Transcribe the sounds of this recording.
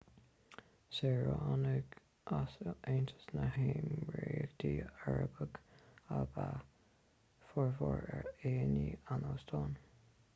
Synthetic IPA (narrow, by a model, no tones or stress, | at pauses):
sɛɹoanəɡ | ʔasʔeːnt̪ʰə̥snəheːmɹeːəɡd̪̥iːaɹəbəɡaba | fɔɹvɔɹɛɹeːnianoːst̪ʰɑːn